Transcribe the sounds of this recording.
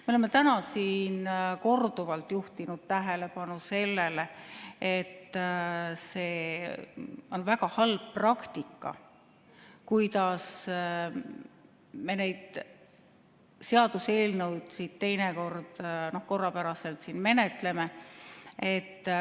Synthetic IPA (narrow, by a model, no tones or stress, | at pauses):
me̞olemːet̪ænɑsiːnko̞rd̪uvɑlt̪ːˑjuht̪inud̪̥̚t̪æɦe̞le̞pɑnuse̞lːe̞le̞e̞t̪ː | se̞ː | o̞nvæɡɑhɑlb̥̚prɑkt̪ikːˑɑ̰ | kujd̪ɑs | me̞ne̞jd̪̥ | se̞ɑd̪̥use̞ːlnewd̪̥sit̪t̪e̞jneko̞rd̪̥no̞hko̞rːɑpæɾɑse̞lt̪siːnme̞ne̞t̪le̞me̞ | e̞t̪ː